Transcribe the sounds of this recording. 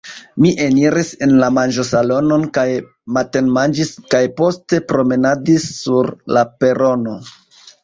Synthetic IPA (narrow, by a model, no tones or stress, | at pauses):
miʔe̞niɾise̞nlamand͡ʒo̞salo̞no̞nkaj | mate̞nmand͡ʒiskajpo̞ste̞pɾo̞me̞nadisːuɾlape̞ɾo̞no̞